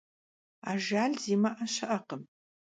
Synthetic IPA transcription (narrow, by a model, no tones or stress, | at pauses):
a̰ːʒaːɮziːmɐʔɐʃɐʔɐqəm